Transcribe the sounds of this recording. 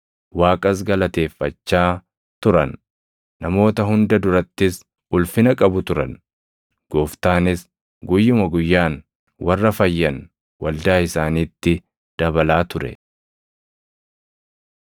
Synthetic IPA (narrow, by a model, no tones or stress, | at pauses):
waːkʼɐs̬ɡɐlɐt̪e̞ːfːɐt͡ʃːaː | t̪ʊɾɐ̰nː | ɐmo̞ːt̪ɐɦʊnd̪ɐd̪ʊɾɐt̪ːɪs | ʊlfɪnɐkʼɐbʊt̪ʊɾɐ̰n | ɡ̥oːft̪aːnɪs | ɡʊjːʊmɐɡʊjːaːn | wɐrːɐfɐjːɐn | wɐld̪aːɪsaːniːt̪ːɪ | d̪̥ɐbɐlaːt̪ʊɾɛ̰